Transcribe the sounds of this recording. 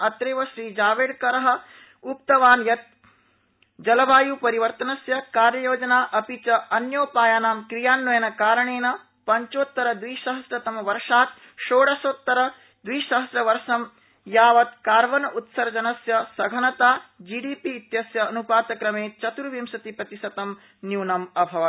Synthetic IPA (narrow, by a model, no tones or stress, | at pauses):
ɐt̪ɾeːʋɐʃɾiːd͡ʒaːʋeːɽkɐɾɐɦɐ̆ | upt̪ɐʋaːnjɐt̪̚ | d͡ʒɐlɐʋaːjuːpɐɾiʋɐɾt̪ɐnɐsjɐkaːɾjɐjoːd͡ʒɐnaːʔɐpit͡ʃɐɐnjoːpaːjaːnaːmkɾijaːnːɐjɐnɐkaːɾɐɳeːnɐ | pɐɲt͡ʃoːt̪ːɐɾɐd̪ʋiːʃɐɦɐsɾɐt̪ɐmɐʋɐɾʂaːk | ʃoːɽɐsoːt̪ːɐɾɐ | d̪ʋiːʃɐɦɐsɾɐʋɐɾʂɐm | jaːʋɐt̪kaːɾʋɐnɐʔut̪sɐɾd͡ʒɐnɐsjɐsɐɡʱɐnɐt̪aːd͡ʒiːɖiːpiːt̪jɐsjɐːnupaːt̪ɐkɾɐmeːt͡ʃɐt̪uɾʋimʃɐt̪ipɾɐt̪isɐt̪ɐm | njuːnɐmɐbʱɐʋɐ